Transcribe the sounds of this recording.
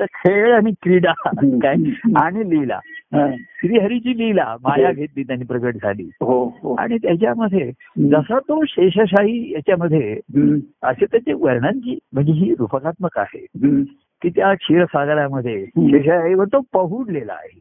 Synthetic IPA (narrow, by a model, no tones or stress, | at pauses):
t̪əkʰeɭaɽ̃ikɾiɽakajaɽ̃ilila̰ | sɾiːɦəɾit͡ɕiːlila̰majaɡʱet̪̚liːt̪janiːpɾəkəʈ̚d͡zʱa̰lḭːɦoɦoa̰ɽ̃it̪jat͡ɕjaməd̪ʱːje | d͡zəsat̪oɕeɕəɕ̬aɦijat͡ɕjaməd̪ʱːje | ə̰set̪jat͡ɕeʋəɾɳãɲt͡ɕiːm̤əɳd͡zeɦiːɾufəkat̪̚məka̰ɦḛ | kiːt̪jakʰiɾəsaɡɾjaməd̪ʱːjeɕeɕəɕaɦiʋəɾt̪opəɦuːɽlela̰ːɦe